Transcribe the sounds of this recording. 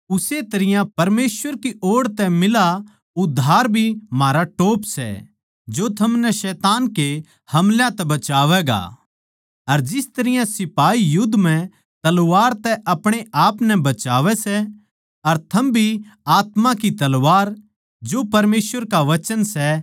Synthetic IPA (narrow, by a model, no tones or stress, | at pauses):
ʊset̪ɐɾɪjãpɐɾmeːsʋəɾkiʔoːɽt̪ɛmɪla | ʊd̪ʱːaːɾbʱimaːɾaʈoːpsɛ̰ | d͡ʒot̪ʰɐmnɛʃɛːt̪aːnke | hɐmljãt̪ɛbɐt͡ʃaːʋɛɡa̰ | ɐɾd͡ʒɪst̪ɐɾɪjãsɪpaːijʊd̪ːm̤ɛ̃ | t̪ɐlʋaːɾt̪ɛʔɐpɽ̃eaːpnɛbɐt͡ʃaːʋɛsɛ | ɐɾt̪ʰɐmbʱiaːt̪mãkit̪ɐlʋaːɾ | d͡ʒoːpɐɾmeːsʋəɾkaʋɐt͡ʃənsɛ